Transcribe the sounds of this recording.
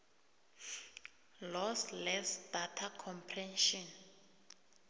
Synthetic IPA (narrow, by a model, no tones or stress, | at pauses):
lɔslɛsd̥atʰakʰɔmpʰrɛnʃɔn